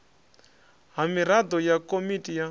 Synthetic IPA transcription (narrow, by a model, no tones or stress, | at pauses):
ɦamiɾad̪ɔjakɔmitija